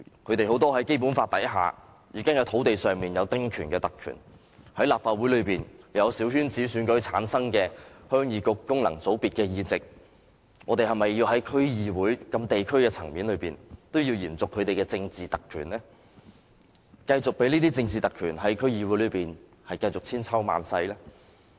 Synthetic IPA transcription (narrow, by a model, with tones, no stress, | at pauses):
kʰɵ˨˧t̪e˨ho˨˥wt̪ɔː˥ɦɐ˨˥jke˥jpu˨˥nfaː˧t̪̚ɐ̰˨˥jɦa̰ː˨˧ | jiː˨˩ka˥ŋjɐ˨˧wt̪ʰo˨˥wt̪e˨jsœː˨ŋmiː˨njɐ˨˧wt̪ɪ˥ŋkʰyː˨˩nkɛː˧t̪ɐ˨kʰːy̰˨˩n | hɐ˨˥jlaː˨p̚faː˧t̚wu˨˥jlɵ˨˧ɥpiː˨njɐ˨˧wsiː˨˥whyː˥nt͡siː˨˥syː˨˧nkɵ˨˥ɥt͡sʰaː˨˥nsɐ˥ŋkɛː˧hœː˥ŋjiː˨˧kʊ˧kkʊ˥ŋlɐ̰˨˩ŋt͡so˨˥wpiː˨t̚kɛː˧jiː˧t͡sɪ˨k̚ | ŋɔː˨˧t̪e˨jɦɐ˨jmɐ˨jːiː˧wɦɐ˨˥jkʰɵ˥ɥjiː˧wuː˨˥jkɐ˧mt̪e˨jkʰɵ˥ɥkɛː˧t͡sʰɐ˨˩ŋmiː˨˥nlɵ˨˧ɥpiː˨nt̪o˥wjiː˧wjiː˨˩nt͡sʊ˨kʰːɵ˨˧ɥt̪e˨jkɛː˧t͡sɪ˧ŋt͡siː˨˩t̪ɐ˨kʰːy̰ː˨˩nlɛː˥ | kɐ˧jt͡sʊ˨k̚pe˨˥jniː˥t̪̬iː˥t͡sɪ˧ŋt͡siː˨t̪ɐ˨kʰːyː˨˩nɦɐ˨˥jkʰɵ˥ɥjiː˧wuː˨˥jlɵ˨˧ɥpiː˨n | hɐ˨jkɐ˧jt͡sʊ˨k̚t͡sʰiː˥nt͡sʰɐ˥wma̰ː˨˧nsɐ˧jlɛː˥